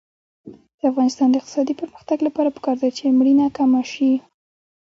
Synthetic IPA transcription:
d̪̥əafɣɑnɪst̪ɑnd̪əɪqt̪ɪ̥sɑd̪ipəɾməxt̪aɡlapɑɾapə̥kɑɾd̪at͡ʃemɽinakamaʃi

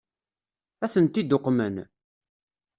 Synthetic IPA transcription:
æθənt̪id̪ʊqːmən

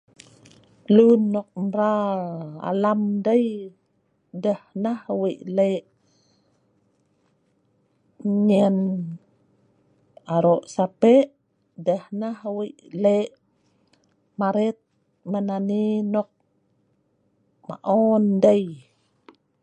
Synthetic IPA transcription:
lunːɔk̚mɾa | a̰lamdəj | dəhnahwiʔleʔ | ɲən | aɾoʔsapɛʔʔ | dəhnahwiʔleʔ | maɾɛt̪̚ | mananinɔk̚ | ma̰ʔɔndəj

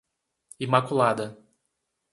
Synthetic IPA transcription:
imakulad̪ɐ

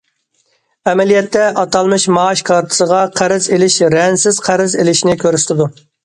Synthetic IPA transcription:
ɛmɛlijɛt̪ʰːɛʔɑt̪ʰɑlˠmɨʃmɑːʃkʰɑɾt̪ʰɨ̥səʁɑqʰæɾɪzelɪʃɾɛnsɪz̥qʰæɾɪzelɪʃnɪkʲʰøɾsɪ̥t̪ʰɪd̪u

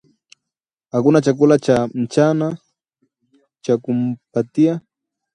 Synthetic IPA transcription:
akʊnat͡ʃakʊlat͡ʃan̩t͡ʃana | t͡ʃakʊmpat̪ija

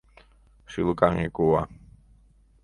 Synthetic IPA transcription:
ʃilukaŋekuwa

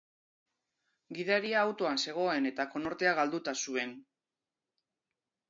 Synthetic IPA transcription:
ɡiðaɾiaːwt̪o̞anse̞ɣ̞o̞e̞ne̞t̪ako̞no̞ɾt̪e̞aɣ̞ald̪ut̪asue̞n

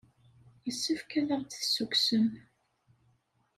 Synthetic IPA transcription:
jəsːəfkæðaʁt͡sθsːukʷsəm

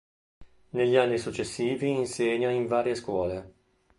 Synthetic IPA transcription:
neʎːianːisut͡ʃːesːiːviːnseɲːoiɱvaːɾjeskwɔːle

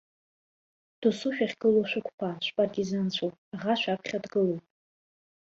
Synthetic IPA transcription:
d̥usuʃᶣaχʲɡɨloʃʷᶣʊkʷʰʼpʰaʃʷpʼartʼizant͡ɕʷʰowpʼaʁaʃʷᶣapʰχʲadɡɨlupʼ

